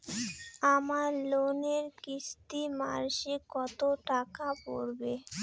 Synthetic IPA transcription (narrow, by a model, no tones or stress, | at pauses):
amaɾloneɾkist̪ima̰ɾʃekɔt̪oʈakapo̰ɾbe